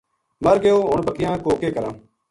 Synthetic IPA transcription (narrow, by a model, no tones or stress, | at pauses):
məɾɡeoːʊɳbəkɪjãːkoːkeːkəɾãː